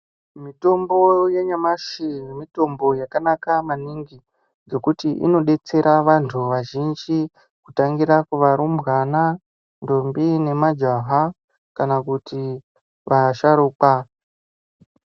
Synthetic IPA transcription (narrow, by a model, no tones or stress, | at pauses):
mito̞mbo̞jeɲamaʃimito̞mbo̞jakanakamaniŋɡi | d͡ze̞kutiʔḭno̞ɗe̞t͡se̞ɾaʋantʰuʋaʒind͡ʒi | kutaŋɡiɾakuʋaɾumbɣana | ndombine̞mad͡ʒaɦa | kanakuti | ʋaʃaɾuːka